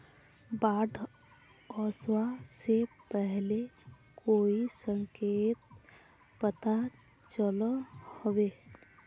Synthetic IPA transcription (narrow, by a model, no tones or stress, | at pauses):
baːɖʱ | ɔswasepɛɦle | kʰoːisə̃ŋkeːt̪̚ | pət̪a | t͡ʃəlhowe